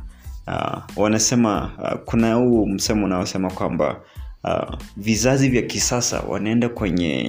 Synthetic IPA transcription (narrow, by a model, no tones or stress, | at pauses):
awanasɛmakunahuɔm̩sɛmɔunaɔsɛmakwamba̰ | vizazivjakisasa̰wa̰naɛndakwɛɲɛ̰